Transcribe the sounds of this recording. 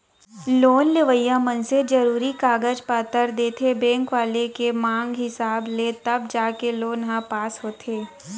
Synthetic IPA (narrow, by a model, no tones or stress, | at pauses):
loːnleʋəjamənsed͡ʒɐɾuːɾikaːɡəd͡ʒpaːt̪əɾd̪eːt̪ʰebɛ̃ːŋkʋaːlekemãːŋɡɦɪsaːblet̪ɐb̚d͡ʒaːkeloːnɦãpaːsɦoːt̪ʰeː